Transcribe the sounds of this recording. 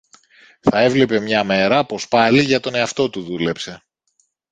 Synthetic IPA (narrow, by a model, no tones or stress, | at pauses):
θɐe̞vle̞pe̞mɲɐme̞ɾɐpo̞spɐliʝɐt̪o̞ne̞ɐft̪o̞t̪uðule̞pse̞